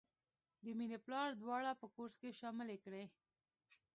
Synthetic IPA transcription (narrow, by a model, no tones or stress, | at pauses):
d̪əminiplɑɾd̪wɑɽapəkoɾskeʃɑmɪlekɽe